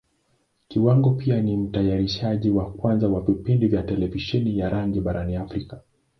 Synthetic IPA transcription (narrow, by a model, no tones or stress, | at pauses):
kiwaŋɡɔpianim̩tajaɾiʃaʄiwakwanzawavipindivjatɛlɛviʃɛnijaɾaŋɡiɓaɾaniafɾika